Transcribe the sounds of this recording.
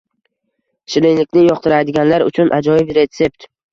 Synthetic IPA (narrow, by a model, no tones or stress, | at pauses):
ʃɪlenɪkʲnɪjɒqt̪ʰɪɾajd̪ɪɡʲanlaɾʊ̰t͡ʃʰʊnʔad͡ʒɒjɪbɾe̞t̪se̞pt̪